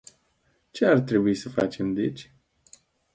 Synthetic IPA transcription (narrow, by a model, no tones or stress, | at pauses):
t͡ʃe̞art̪ɾe̞buisəfa̰t͡ʃe̞md̪et͡ʃʲ